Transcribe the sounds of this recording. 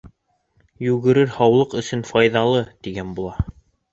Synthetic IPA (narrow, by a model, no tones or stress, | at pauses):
jʉɡɘ̆ɾɘɾhɑwlˠɤqɵ̆sɵnfɑjðɑlˠɤt̪iɡænbulˠɑ